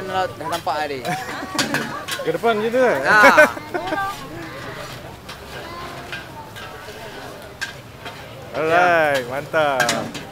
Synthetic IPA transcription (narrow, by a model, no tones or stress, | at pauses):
nlat̪̚danampaʔaɾi | kədəpanɡit̪̬u | ɔɾajmant̪a